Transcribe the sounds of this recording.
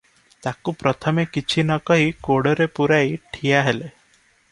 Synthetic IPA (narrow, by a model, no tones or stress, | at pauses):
t̪akupɾɔt̪ʰɔmekit͡ʃʰinɔkɔɦikoɽɔɾepuɾajʈʰijaɦele